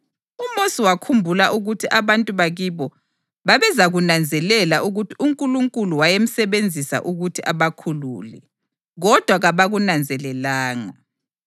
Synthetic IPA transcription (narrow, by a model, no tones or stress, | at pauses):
umosiwakʰumbʱulaʔuɣutʰiʔaβantʼuβaɣiβɔ | βaβɛzaɣunand͡zʱɛlɛlaʔuɣutʰiuŋkʼuluŋkʼuluwajem̩sɛβend͡zʱisa̰ʔuɣutʰiʔaβakʰulṵːlɛ | ɣɔd̥ʱwaɣaβaɣunand͡zʱɛlɛlaːŋa